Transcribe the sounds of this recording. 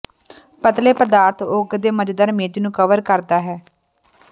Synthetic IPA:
pət̪leːpəd̪aːɾt̪ʰʊɡd̪eːməd͡ʒd̪əɾmeːd͡ʒnũːkəʋəɾkəɾd̪aːɦɛː

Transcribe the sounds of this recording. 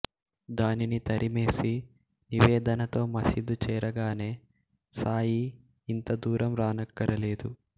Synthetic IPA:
d̪aːninit̪ɐɾʔime̞ːsi | niʋeːd̪ɐnɐt̪o̞ːmɐsid̪ut͡ʃɛːɾɐɡaːne̞ː | saːjiː | nt̪ɐd̪uːɾɐmɾaːnɐkːɐɾɐle̞ːd̪u

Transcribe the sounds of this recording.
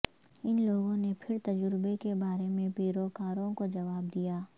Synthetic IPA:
ɪnloːɡõnepʰɪɾt̪ɐd͡ʒʊɾbekebaːɾemẽpiːɾoːkaːɾõkod͡ʒɐʋaːb̚d̪ijaː

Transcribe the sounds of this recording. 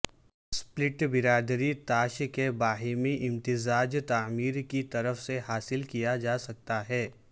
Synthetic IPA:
splɪʈbɪɾaːd̪ɾit̪aːʃkebaːɦimĩʔɪ̃mt̪ɪzaːd͡ʒt̪aːmiːɾkit̪ɐɾəfseɦaːsɪlkijad͡ʒaːsɐk̚t̪aɦɛː

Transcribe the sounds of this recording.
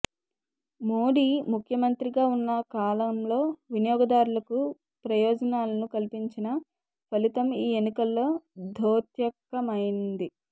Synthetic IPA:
moːɽiːmukʰjɐmɐnt̪ɾiɡaːunːɐkaːlɐmlo̞ːʋinijɔːɡɐd̪aːɾulɐku | pɾɐjɔːd͡ʒɐnaːlɐnukɐlipiɲt͡ʃinɐ | pɐlit̪ɐmiːenːikɐlːo̞ːd̪ʱoːt̪jɐkːɐmɐjinnd̪i

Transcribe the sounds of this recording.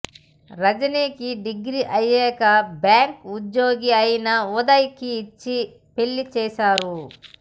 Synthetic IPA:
ɾɐd͡ʒɐniːkiɖiɡɾiʔɐjːɛːkɐbjaːŋkud͡ʒjoːɡiɐjinɐɔd̪ɐjkiːt͡ʃːi | peɭːit͡ʃɛːʃaːɾu

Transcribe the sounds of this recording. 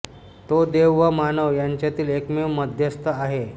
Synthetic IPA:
t̪od̪eʋːəmanəʋjaɲt͡ɕjat̪iːlekmeʋməd̪ʱjəst̪ʰəaɦe

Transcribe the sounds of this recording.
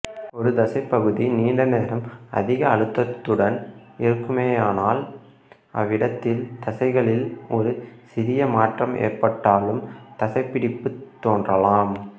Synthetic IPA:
ɔɾɯd̪ɐsɐɪpːɐɣɯðiniːɳɖɐneːɾɐmʔɐ̰ðɪɣɐːɭɯt̪ːɐt̪ːɯɽɐnɪɾɯkːɯmeːaːnaːl | ʔɐ̰ʋːɪɽɐt̪ːɪlt̪ɐsɐɪɣɐɭɪlɔɾɯsɪɾɪjɐmaːʈrɐmḛːrpɐʈːaːlɯmt̪ɐsɐɪpːɪɽɪpːɯt̪ːoːndrɐlaːm

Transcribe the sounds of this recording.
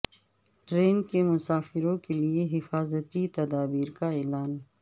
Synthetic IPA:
ʈɾeːnkemʊsaːfɪɾõkelieɦɪfaːzət̪it̪ɐd̪aːbiːɾkaɛːlaːn

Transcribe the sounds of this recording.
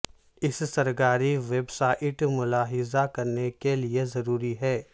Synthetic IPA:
ɪssɐɾkaːɾiʋeːbsaːʔɪʈmʊlaːɦɪzakɐɾnekeliezɐɾuːɾiɦɛː

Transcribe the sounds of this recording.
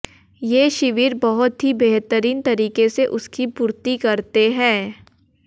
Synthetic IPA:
jeːʃɪʋiːɾbɐɦʊt̪ɦibeɦt̪əɾiːnt̪ɐɾiːkeseʔʊskipuːɾt̪ikɐɾt̪eɦɛ̃ː

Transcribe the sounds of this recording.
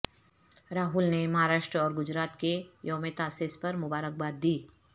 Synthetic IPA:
ɾaːɦʊlnemɐɦaːɾaːʃʈɾəɔːɾɡʊd͡ʒɾaːt̪kejɔːmet̪aːseːspɐɾmʊbaːɾək̚baːd̪̚ːiː

